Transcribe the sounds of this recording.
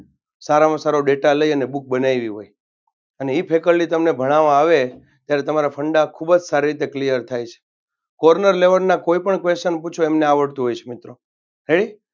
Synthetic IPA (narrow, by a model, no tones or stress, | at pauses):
saɾamãsaɾoɖeʈaləiənebuk̚bənaiʋiɦoj | əneipʰekəɾlit̪əmnebʱəɽ̃aʋãaʋe | t̪jaɾet̪əmaɾapʰəɳɖakʰubəd͡ʒsaɾiɾit̪eklijəɾt̪ʰajt͡ʃʰe̥ | kɔɾnəɾleʋəɾnakoipəɳkʋest͡ʃənput͡ʃʰoemneaʋəɽt̪ũɦojt͡ʃʰemɪt̪ɾo | ɦeɽi